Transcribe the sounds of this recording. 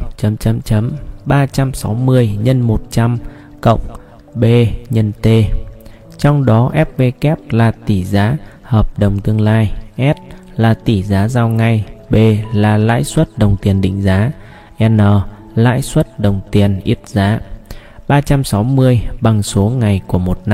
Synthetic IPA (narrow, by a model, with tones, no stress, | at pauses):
t͡ɕə˨˦mt͡ɕə˨˦mt͡ɕə˨˦mɓaː˧t͡ɕa˧msa˨˦wmɨ˧əjɲə˧nmo˨˩t̚t͡ɕa˧m | kə̰˧˨wŋ͡m | ɓe˧ɲə˧nt̪e˧ | t͡ɕɔ˧wŋ͡mɗɔ˨˦ʔɛ˦˥p̚pe˧kɛ˦˥p̚laː˨˩t̪i˧˩zaː˨˦həː˨˩p̚ɗə˨˩wŋ͡mt̪ɨ˧əŋlaː˧jʔɛ˦˥t̚ | laː˨˩t̪i˧˩zaː˨˦zaː˧wŋa˧jɓe˧laː˨˩la̰ː˧˥jswə˦˥t̚ɗə˨˩wŋ͡mt̪i˨˩ənɗḭ˧˨ŋ̟zaː˨˦ | ʔɛ˧nəː˨˩ | la̰ː˧˥jswə˦˥t̚ɗə˨˩wŋ͡mt̪i˨˩ənʔi˦˥ət̚zaː˨˦ɓaː˧t͡ɕa˧msa˨˦wmɨ˧əjɓa˨˩ŋsu˨˦əŋa˨˩jku˧˩əmo˨˩t̚na˧